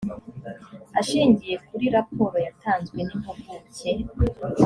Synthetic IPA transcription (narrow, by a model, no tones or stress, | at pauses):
aʃiːɲɟije̞kuɾiɾapo̞ːɾo̞jataːnzɡwe̞nim̥hoɡuce